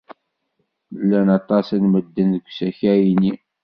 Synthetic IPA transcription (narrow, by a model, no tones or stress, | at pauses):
lːænɑt̪ˤɑsænməd̪ːənðəɡʷsæçæjini